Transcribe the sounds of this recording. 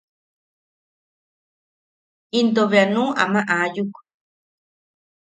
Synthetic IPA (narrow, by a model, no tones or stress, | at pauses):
ind̪oβeanũʔa̰mãʔajuk